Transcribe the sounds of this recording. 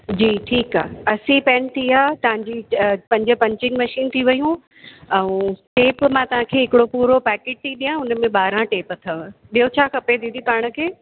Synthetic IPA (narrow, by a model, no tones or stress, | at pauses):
d͡ʑiːʈʰiːka̰ːɐsipɛ̃ːnt̪ʰiaːt̪ɐʋ̤ãɲd͡ʑipɐ̃ɲd͡ʑə̆pɐ̃ɲt͡ɕɪ̃nmɐʃiːnt̪ʰiʋɐjũ | ɛ̃ũʈeːpmãt̪ɐʋ̤ãkʰeːɦɪkɪɽopuːɾopɛːkeːʈ̚t̪ʰiːɗiːjãʊnəmẽɓaːɾãʈeːpt̪ʰɐʋɓiɦot͡ɕʰaːxɐped̪ĩd̪ikaːɽ̃ə̆kʰeː